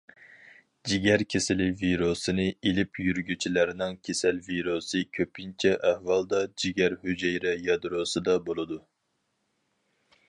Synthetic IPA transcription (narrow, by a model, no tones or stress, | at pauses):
d͡ʒiɡʲæɾkʲʰesɪlɪviɾosɨnɨelɪpʰjyɾɡʲyt͡ʃʰilæɾnɨŋkʲʰesælviɾosɨkʲʰøpʰint͡ʃʰɛʔæhwɑlˠd̪ɑd͡ʒiɡʲæɾhyd͡ʒɛjɾɛjɑd̪ɾosɨd̪ɑbolˠɨd̪u